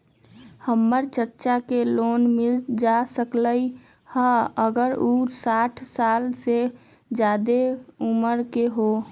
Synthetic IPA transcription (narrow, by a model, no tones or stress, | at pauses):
həmːəɾt͡ʃəɾt͡ʃakeloːnmɪld͡ʒasəkləi | həəɡəɾusaːʈʰsaːlse | d͡ʒaːd̪euməɾkeɦo